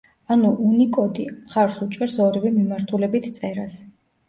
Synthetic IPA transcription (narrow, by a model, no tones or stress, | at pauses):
anuʔunikʼɔd̪imχaɾsut͡ʃʼɛɾsɔɾivɛmimaɾt̪ʰulɛbit̪ʰt̪sʼɛɾas